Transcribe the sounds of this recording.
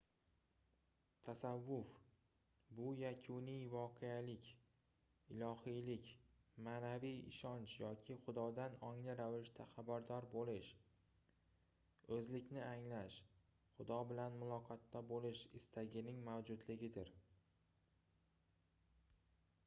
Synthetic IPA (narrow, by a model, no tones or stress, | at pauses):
t̪ʰasavːʊf | bʊjakʲʰʊnijvɒqʰealɪkʲ | ɪlˠɒhijlɪkʲmaːnavijɪ̰ʃɒnt͡ʃjɒkʲʰɪχʊd̪ɒd̪anɒŋlɪɾavɪʃt̪ʰaχabaɾd̪ɒɾbolɪʃ | ɵzlɪkʲnɪaŋlaʃ | χʊd̪ɒbɪlanmʊlˠɒqʰɒt̪ːabolɪʃɪst̪ʰaɡʲɪnɪŋmawd͡ʒʊd̪lɪɡʲɪd̪ɪɾ